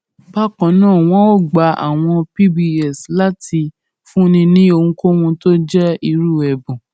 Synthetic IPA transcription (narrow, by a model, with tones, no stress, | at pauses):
ba˦kɔ̃˨˦nãː˦˨w̃ɔ̃˦o˦˨ɡ͡ba˨˦a̰˨w̃ɔ̃˧pi˦bi˧ɛ˨sla˦ti˧ | fũ˦nĩ˧nĩ˦o˧hũ˧ko˦hũ˧to˦d͡ʒɛ˦i˧ɾu˦˨ɛ˨bũ˨